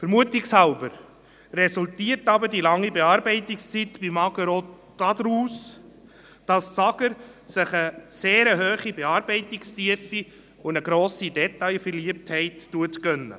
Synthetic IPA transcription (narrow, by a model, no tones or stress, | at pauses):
fəɾmuətɪkshalbəɾ | rɛsultiːəɾtɑbəɾdilɑŋːibeɑːɾbɛɪtɪkst͡sitbimɑɡəɾo | d̥ɑd̪ɾuːs | d̥ɑst͡sɑɡəɾsɪχəseːɾəɦøːχibeɑːɾbɛɪtikstiəfi | ʊəɡɾoːsidɛtɑjfəɾliəp̚thɛɪtːuətkœnːə̰